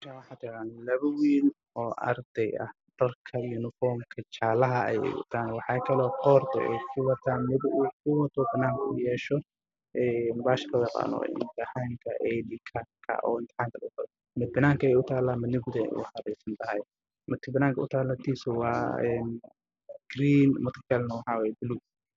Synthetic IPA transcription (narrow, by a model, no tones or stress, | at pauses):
t͡ʃʰawħɑːt̪ʰɛqanlɐβɐwiːn | ɔːʔɐ̰rd̪̥ɛjɐ̰h | d̪̥ɐlkʰɐjunɪfɔːrmkʰɐt͡ʃaːlɐɦɐɛ̰jɛ̰jʊ̰t̪ʰaːnwɑħɑːkʰɐlɔːqɔːrt̪ʰɔ̰ʔɛ̰jkʰʊwɐt̪ʰaːmɪðʊʔuːkʰʊwɐt̪ʰɔbɐnaːŋkʰɐʊjɛːʃɔ | ʔɛːnbaːʃɐlɔjɛqa̰ːnɔ̰ɪ̰nt̪ʰɪħaːŋkʰɐʔɛdɪkʰɐkʰɐ̰ʔɔ̰ːɪnt̪ʰɛ̥ħaːŋkʰɐlɐʊt̪ʰɐd | mɪd̪̚bɐnaːŋkʰɐɛjʊt̪ʰaːlaːmɪnɪɡd̪ɛʔʊ̰ħɑɾɛsɐnt̪ʰɐɦɐj | mɐt̪ʰɪbɐnaːŋkʰɐʔʊt̪ʰaːlɐt̪ʰiːsʊwɑːɛːn | ɡ̥riːnmʊt̪ʰkɛlnɐwɑħɑːwɛːjɛbʊlu